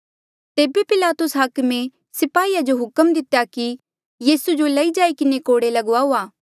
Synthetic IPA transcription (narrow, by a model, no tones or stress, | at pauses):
t̪eːbepɪlaːt̪ʊsɦakmẽ | sɪpaːiːad͡ʒoɦʊkəmd̪ɪt̪ejaki | jiːsud͡ʒolɐid͡ʒaːikɪnekoːɽelɐɡaɦoːaː